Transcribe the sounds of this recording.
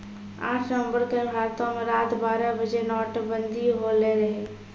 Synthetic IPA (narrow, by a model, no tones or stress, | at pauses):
a̰ːʈʰnəə̃mbəɾkebʱaːɾət̪õmeɾaːt̪baːɾəbəd͡ʒenɔːʈbə̃nd̪ʱiɦoleɾəɦeː